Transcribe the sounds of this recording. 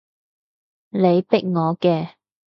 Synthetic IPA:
le˨˧jpɪ˥k̚ŋɔː˨˧kɛː˧

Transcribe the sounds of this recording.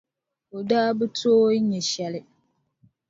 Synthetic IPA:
o˨daː˦bɨ˦tʰoː˦ɲɛ˨ʃɛ˦lɪ˦

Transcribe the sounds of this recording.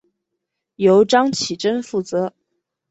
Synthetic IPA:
jo˧˥ʊʈ͡ʂɑ˥ŋt͡ɕʰi˨˩ʈ͡ʂə˥nfu˥˩t͡sɤ˧˥

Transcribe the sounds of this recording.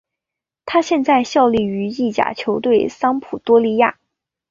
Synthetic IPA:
t̪ʰa˥ɕjɛ˥˧nt͡sa˥˧ɪɕjɑ˥˧ʊli˥˩y˧˥i˥˩t͡ɕja̰˨˩t͡ɕʰjo˧˥ʊt̪we˥˩ɪsɑ˥ŋpʰu˨˩t̪wɔ˥li˧˥ja̰˥˩

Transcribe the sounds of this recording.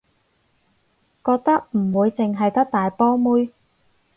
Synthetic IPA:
kɔː˧k̚t̪ɐ˥k̚m̩˨˩wuː˨˧jt͡sɪ˨ŋɦɐ˨jt̪ɐ˥k̚t̪aː˨jpɔː˥muː˥j

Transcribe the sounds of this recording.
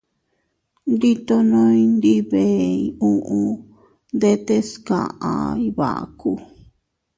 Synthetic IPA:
nd̪i˦t̪o˧nõ˦ĩ˧nd̪i˦βe˨i˧ũ˦ʔũ˧ | nd̪e˦t̪e˦skã̰˨ʔã̰˨i˧βa̰˨ʔa̰˨ku˧

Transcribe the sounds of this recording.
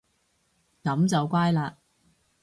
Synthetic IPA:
kɐ˨˥mt͡sɐ˨wkʷaː˥jlaː˧

